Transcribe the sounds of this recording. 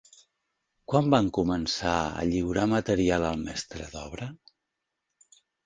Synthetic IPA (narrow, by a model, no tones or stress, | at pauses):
kwambaŋkumənsaə̰ʎiwɾamət̪əɾialˠəlˠmɛst̪ɾəðɔβ̞ɾə